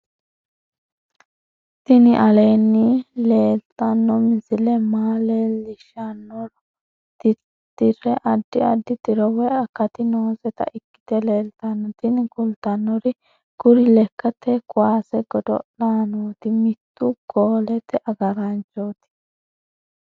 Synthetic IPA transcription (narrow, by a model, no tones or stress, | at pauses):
t̪ɪnɪʔɐleːnːɪle̞ːlt̪ɐnːɔmɪsɪlɛmaːlelɪʃɐnːɔɾ | t̪ɪ | t̪ːɪɾɛʔɐd̪ːɪɐd̪ːɪt̪ɪɾɔwɛɐkːɐt̪ɪno̞ːzɛt̪ɐ̰ʔɪkːɪ̥t̪ɛle̞ːlt̪ɐnːɔt̪ɪnɪɡʊlt̪ɐnːɔɾɪ | ɡ̥ʊɾɪlɛkːɐt̪ːɛkʊwaːsɛɡɔd̪ɔ̰ɗaːnoːt̪ɪmɪt̪ːʊɡoːlɛt̪ɛʔɐɡɐɾɐnt͡ʃːoːt̪ɪ̥